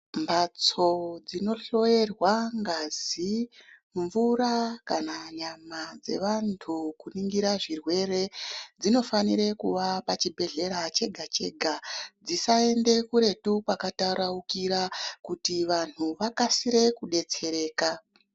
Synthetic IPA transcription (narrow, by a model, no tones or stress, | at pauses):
mbat͡so̞d͡zino̞ɬo̞e̞rwaŋɡaziɱvuɾakanaɲamad͡ze̞̰ʋantʰukuniŋɡiɾaʐirwe̞re̞d͡zino̞faniɾe̞kuʋapat͡ʃibʱe̞ɮe̞ɾat͡ʃe̞ɡʱat͡ʃe̞ɡʱad͡zisae̞nde̞kuɾe̞tupakataɾaukiɾakutiʋan̤uʋakasiɾe̞kuɗe̞t͡se̞ɾe̞ːka